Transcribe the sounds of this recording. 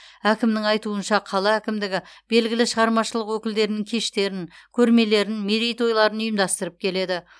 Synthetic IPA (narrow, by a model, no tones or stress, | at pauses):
ækʲɪmnɪŋɑjt̪uənʃɑqʰɑlˠɑækʲɪmd̪ɪɡʲɪb̥e̞lɡʲɪlɪʃəʁɑɾmɑʃəlˠəqwɵkʲɪld̪e̞ɾɪnɪŋkʲʰe̞ʃt̪e̞ɾɪŋkʲʰɵɾme̞le̞ɾɪnmeɾejt̪o̞jlˠɑɾənʊjəmd̪ɑst̪əɾəp̚kʲʰe̞le̞d̪ɪ